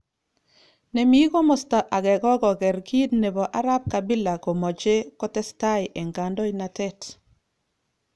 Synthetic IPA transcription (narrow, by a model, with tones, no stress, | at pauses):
ne˨mi˦ko˦mɔ˨sta˨ʔa˨ɡɛ˨kɔ˦ɡɔ˨kɛ˨ɾki˦dne˨bɔ˨ʔa˦ɾa˦p̚ka˨bi˦la˨ko˨mɔ˨t͡ʃe˦kɔ˦tɛ˦sta˦ɪ˨ʔe˨ŋɡa˨ndɔ˦i˦na˨tɛ˦t